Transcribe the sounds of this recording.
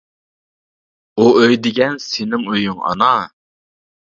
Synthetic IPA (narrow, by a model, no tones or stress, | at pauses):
uøjd̪ɪɡʲɛnsɪnɪŋøjyŋɑ̰nɑ